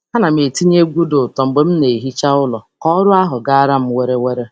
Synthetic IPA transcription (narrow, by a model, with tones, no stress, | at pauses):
a˦na˨m˨e˨ti˦ɲ˦e˦ɡʷu˦dʊ˨tɔ˨ŋ͡m̩˨ɡ͡be˨m̩˦ne˨i˨ɦi˦t͡ʃa˦ʊ˦lɔ˨kɔ˦ɾʊ˦a˦ɦʊ˨ɡa˦a˦ɾa˦m̩˦we˦ɾe˦we˦ɾe˦